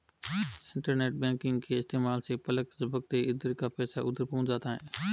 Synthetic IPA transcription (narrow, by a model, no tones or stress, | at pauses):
ɪɳʈəɾneːʈ̚bẽːkɪ̃ŋɡkʰeːɪst̪eːmaːlseːpələksəbək̚t̪eːɪd̪əɾkaːpɛːsaːʔʊd̪əɾpəʊ̃d͡ʒaːt̪ʰaːɦḛ̃ː